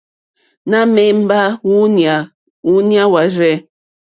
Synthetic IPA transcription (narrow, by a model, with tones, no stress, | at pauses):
na˦me˦m̩˦ba˦˨ | u˦nja˦wa˨ɾe˦